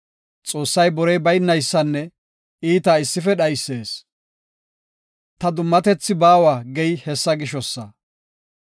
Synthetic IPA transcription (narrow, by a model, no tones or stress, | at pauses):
t͡sʼo̞ːsːɐjbɔɾɛjbɐjnːɐjsːɐnːɛ | iːt̪aːɪsːɪfɛɗɐjsːe̞ːs | t̪ɐd̪ʊmːɐt̪ɛt͡sːɪbaːwaːɡɛjhɛsːɐɡɪʃɔsːɐ